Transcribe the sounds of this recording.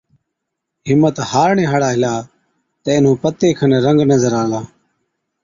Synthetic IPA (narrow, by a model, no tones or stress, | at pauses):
ɦɪmːət̪haːɾɳeːɦəɽaːɦɪlaː | t̪əɪnũːpət̪ːeːkʰəneɾəŋɡnəzəɾaːlaː